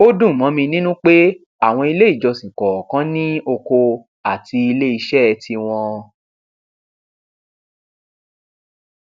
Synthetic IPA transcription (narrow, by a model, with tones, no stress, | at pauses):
o˦dũ˦˨mɔ̃˨˦mĩ˧nĩ˦nũ˦k͡pe˦ | a˦˨w̃ɔ̃˧i˧le˦i˦˨d͡ʒɔ˧sĩ˨kɔ˨kã˦nĩ˦o˧ko˧ | a˦˨ti˧i˧le˦i˧ʃɛ˦˧tʰi˧w̃ɔ̃˧